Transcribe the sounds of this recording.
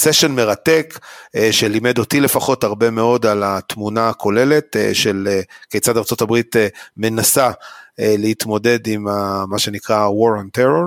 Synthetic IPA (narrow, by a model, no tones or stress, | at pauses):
seʃonme̞ʁate̞kʃelime̞do̞tile̞faχo̞taʁbe̞me̞o̞dalat̪munaːkʰo̞le̞le̞tʃelekejt͡sadaʁt͡so̞tabʁitme̞nasalehit̪mo̞de̞dimamaʃe̞nikʁawo̞ʁanteʁo̞ʁ